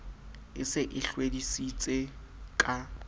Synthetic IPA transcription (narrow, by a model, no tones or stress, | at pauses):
ɪsɪʔɪɬwedisit͡sʼe | kʼa